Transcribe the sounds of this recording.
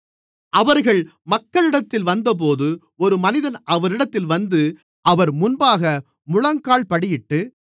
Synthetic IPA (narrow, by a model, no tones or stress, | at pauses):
ɐʋɐɾɣɐɭmɐkːɐɭɪɽɐt̪ːɪlʋɐnd̪ɐp̬oːðɯ | ɔɾɯmɐnɪðɐnɐʋɐɾɪɽɐt̪ːɪlʋɐnd̪ɯ | ʔɐʋɐɾmʊnbaːɣɐ | mʊɻɐŋkaːɭpɐɽɪjɪʈːɯ